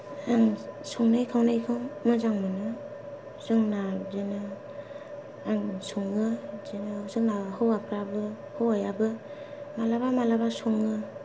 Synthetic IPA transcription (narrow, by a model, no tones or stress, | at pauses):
aŋsɔŋnajkʰawnajkʰɯwmɯzaŋmɯnɯ | zɯŋnazenɯ | aŋsɔŋɯzenɯsɯŋnahɯwapʰɾabɯ | hɯwajabɯmalabamalabasɔŋɯ